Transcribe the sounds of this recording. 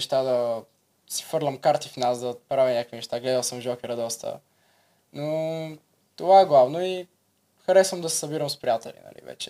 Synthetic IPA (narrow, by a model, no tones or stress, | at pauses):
ʃt̪ad̪ɐ | si̥fɤɾlʲɐmkaɾt̪ifnasd̪ɐpɾavʲinɲʲakəkvinɛʃt̪aɡlɛd̪əlˠsəmʒɔkɛɾɐd̪ɔst̪ə̰ | no | t̪ovaɛɡlˠavnoi | xɐɾɛsvəmd̪ɐsɛ̥sɐbiɾəmspɾijat̪ɛlʲḭnɐ̰lḭvɛ̰t͡ʃɛ̥